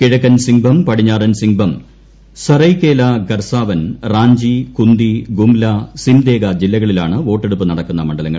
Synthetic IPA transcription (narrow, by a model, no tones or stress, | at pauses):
kiɻɐkːɐnsiŋbʱɐmpɐɽiɲːaːrɐnsiŋbʱɐm | sɐrɐjkːe̞ːlaɡɐrsaːʋɐnraːɲd͡ʑikund̪iɡumlɐsimd̪eːɡɐd͡ʑilːɐɣɐɭilaːɳɨʋo̞ːʈːeɽupːɨnɐɽɐkːunːɐmɐɳɖɐlɐŋːɐɭ